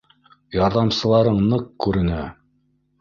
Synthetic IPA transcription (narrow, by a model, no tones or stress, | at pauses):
jɑɾðɑmsɤ̆lˠɑɾɤɴnɤqkʉɾɘ̆næ